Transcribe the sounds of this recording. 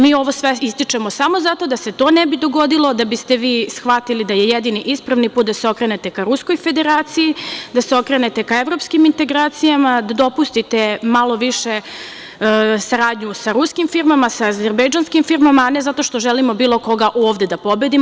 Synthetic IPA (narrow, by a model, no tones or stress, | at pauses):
miːo̞ʋo̞sʋeist̪it͡ʂemo̞samo̞zat̪o̞d̪aset̪oːnɛbid̪o̞ɡo̞d̪ilˠo̞d̪abist̪e̞ʋiːsxʋat̪ilid̪ajejed̪iniʔispɾaʋnipuːt̪̚d̪aseo̞kɾenet̪e̞kaɾusko̞jfe̞d̪e̞ɾaːt̪sijid̪aseo̞kɾe̞net̪e̞kaeʋɾo̞pskimint̪e̞ɡɾaːt̪sijamad̪ad̪o̞pust̪it̪emalo̞ʋiʃe | saɾaːd̪ɲusaɾuskimfiɾmamasaːzeɾbejd͡ʒanskimfiɾmamaːnezat̪o̞ʃt̪oʒelimo̞biːlˠo̞ko̞ɡaʔoːʋd̪e̞d̪apo̞bed̪im